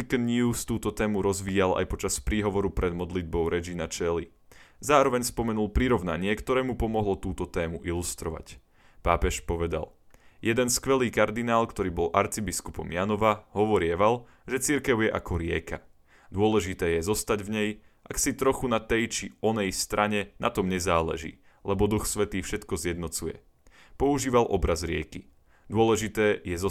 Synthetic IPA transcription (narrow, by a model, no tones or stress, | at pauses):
ikɛnɲuːst̪uːt̪ɔt̪ɛːmuɾɔzʋiːala̰jpɔt͡ʃaspɾiːɦɔʋɔɾupɾɛd̪mɔd̪lid̪̚bɔʊɾɛd͡ʒinat͡ʃɛli | zaːɾɔʋɛɲspɔmɛnulˠpɾiɾɔʊnaɲɪɛkt̪ɔɾɛːmupɔmɔɦlɔt̪uːt̪ɔt̪ɛːmuʔilust̪ɾɔʋa̰c | paːpɛʃpɔʋɛd̪a̰l | jɛd̪ɛnskʋɛliːkaɾd̪inaːlkt̪ɔɾiːbɔlʔaɾt͡sibiskupɔ̰mjanɔʋaɦɔʋɔɾɪɛʋal | ʒɛt͡siɾkɛʊjɛʔakɔɾɪɛka | d̪ʊɔlɛʒit̪ɛːjɛzɔst̪aɟvɲɛj | ʔaksit̪ɾɔxunat̪ɛjt͡ʃiɔnɛjst̪ɾʔaɲɛna̰t̪ɔmɲɛzaːlɛ̰ʒḭː | lɛbɔd̪uxsʋɛt̪iːfʃɛt̪kɔzɪjɛd̪nɔt͡sujɛ̰ | pɔuʒiːʋalʔɔbɾazɾɪɛki | d̪ʊɔlɛʒit̪ɛːjɛzɔ